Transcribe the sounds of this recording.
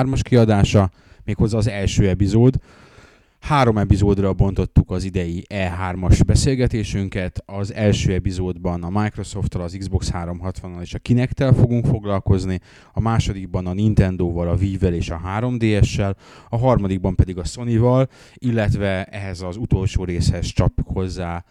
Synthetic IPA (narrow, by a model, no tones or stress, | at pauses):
rmɒʃkiɒd̪aːʃɒ | meːkho̞zːɒːzɛlʃøːɛpizoːd̪ | haːɾo̞mɛpizoːd̪rɒbo̞nt̪o̞t̪ːukɒzid̪ɛjiʔɛːɦaːrmɒʒbɛseːlɡɛt̪eːʃyŋkɛt̪ɒzɛlʃøːɛpizoːd̪bɒnɒmaːjkro̞so̞ft̪ːɒlɒziɡzbo̞kshaːɾo̞mɦɒt̪ʋɒnːɒleːʃɒkinɛkt̪ɛlfo̞ɡuŋkfo̞ɡlɒlko̞zni | ɒmaːʃo̞d̪iɡ̚bɒnɒnint̪ɛnd̪oːvɒlɒviːvːɛleːʃɒɦaːɾo̞md̪eːɛʃːɛlɒɦɒrmɒd̪iɡ̚bɒmpɛd̪iɡɒso̞nivɒl | ilːɛt̪vɛɛɦɛzɒzut̪o̞lʃoːɾeːshɛst͡ʃɒpjukho̞zːaː